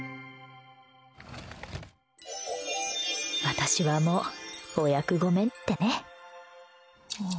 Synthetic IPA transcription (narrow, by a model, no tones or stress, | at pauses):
βat̪aɕiβamoojakɯ̟ɡo̞mẽ̞nt̪ːe̞ne̞